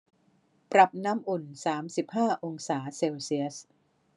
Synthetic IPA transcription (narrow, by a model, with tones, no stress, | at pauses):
pɾa˨˩p̚na˦˥mʔu˨˩nsaː˩˦msi˨˩p̚haː˥˩ʔo˧ŋsaː˩˦se˧wsi˦˥əs